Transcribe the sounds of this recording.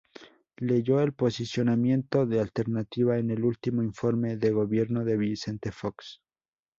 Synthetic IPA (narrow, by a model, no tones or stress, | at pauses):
le̞ʝo̞elpo̞sisjo̞namje̞nt̪o̞ðealt̪e̞ɾnat̪iβae̞ne̞lult̪imo̞iɱfo̞ɾme̞ðe̞ɣo̞βje̞ɾno̞ðe̞βise̞nt̪e̞fo̞ks